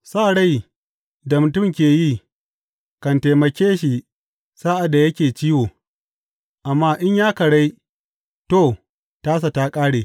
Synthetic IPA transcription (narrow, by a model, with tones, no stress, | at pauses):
saː˦˨ɽa˦j | da˨mʊ˨tʊ˦˨mkʲeː˨ji˦ | kɐ˨nta˨jmɐ˨kʲeː˦ʃi˨ | saː˦ʔa˨da˨jɐ˦kʲeː˨t͡ʃiː˦woː˨ | ʔa˨mːaː˦ʔɪ˦ɲjaː˦kɐ˨ɽa˦j | to˦˨ | taː˦s̬a˨taː˦kʼaː˦ɽeː˨